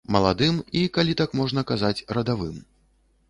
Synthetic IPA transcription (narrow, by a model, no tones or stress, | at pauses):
mɐlˠad̪ɨmikalʲit̪akmɔʐnɐkazat͡sʲrɐd̪avɨm